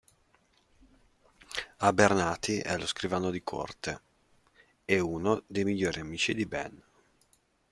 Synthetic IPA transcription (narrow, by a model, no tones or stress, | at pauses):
abernaːt̪iʔɛ̰loskɾivaːnod̪ikʰo̰rt̪e | euːnod̪ejmiʎːoːɾiamiːt͡ʃid̪ibɛ̰n